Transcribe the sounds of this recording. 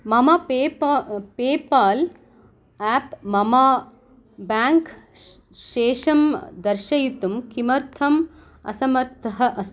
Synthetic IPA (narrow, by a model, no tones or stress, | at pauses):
mɐmɐpeːpeːpaːl | aːpmɐma | baːŋk | ʃeːʂɐmd̪ɐɾʃɐjit̪umkimɐɾt̪ʰɐm | ɐ̰sɐmɐɾt̪ʰɐɦɐʔɐs